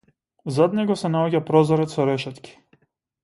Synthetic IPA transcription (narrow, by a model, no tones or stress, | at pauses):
zad̪nɛɡɔsɛnaɔɟapɾɔzɔɾɛt̪sɔɾɛʃɛt̪kʲi̥